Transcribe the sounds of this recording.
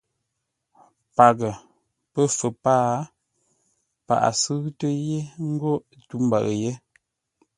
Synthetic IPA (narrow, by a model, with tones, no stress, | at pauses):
pa˨ɡə˨ | pə˦˨fə˨paː˦ | pa̰˨ʔa̰˨sɨ˦ɣtə˦je˦ŋ̩˦ɡo˦˨tu˦m˨ba̰˨ɣje˦